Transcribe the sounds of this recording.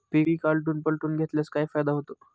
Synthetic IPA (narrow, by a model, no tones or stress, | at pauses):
piɾiːkalʈ̬uːnpəlʈuːnɡʱet̪ljaskaifajd̪aɦot̪o